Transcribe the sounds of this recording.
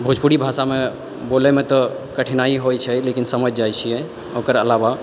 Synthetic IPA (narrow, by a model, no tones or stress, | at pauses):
bʱud͡ʒpuɽibʱasame | bolemet̪ɔ | kəʈʰinaiɦojt͡ʃʰɛlekinsəməd͡ʒd͡ʒajt͡ʃʰijɛ | okəɾəlaβa